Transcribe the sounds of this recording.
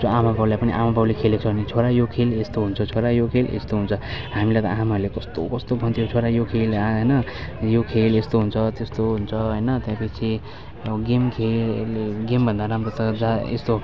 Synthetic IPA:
d͡zoamabawlajpʌniʔa̰mababwlekʰelet͡sʰʌbʱʌnet͡sʰoɾajokʰelest̪oɦunt͡sʰʌt͡sʰoɾajokʰelḛst̪oɦunt͡sʰʌɦamilejt̪ʌ̰amarlekʌst̪o̰kʌst̪obʱʌnt̪ʰijot͡sʰoɾajokʰelɦʌjnʌjokʰelest̪oɦunt͡sʰʌt̪est̪oɦunt͡sʰʌɦʌjnʌt̪jãpʌt͡sʰi | ɡimkʰelɡembʱʌnd̪aɾamɾot̪ʌd͡zaḛst̪o

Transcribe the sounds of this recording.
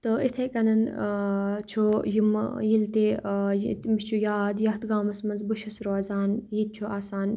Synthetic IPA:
t̪ɨit̪ʰekɐnɐn | t͡ʃʰojimjilt̪e | t̪mit͡ʃʰujaːd̪jɐɦt̪ɡaːmɐsmɐnzbuʃɐsɾoːzaːnjid̪̚t͡ʃʰuaːsaːn

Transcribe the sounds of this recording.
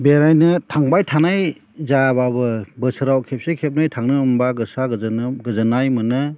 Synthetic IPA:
beɾajnɯtʰaŋbajtʰanaj | zababɯbɯsɯɾawkʰep̚sekʰep̚najtʰaŋnɯːmbaɡɯsaɡnɡɯzɯnajmɯnɯ

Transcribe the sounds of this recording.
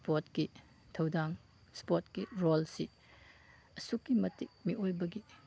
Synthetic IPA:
spotki | tʰɐwdaŋ | spotkiɾolsi | ɐsukːimɐtik̚miʔojbɐɡi

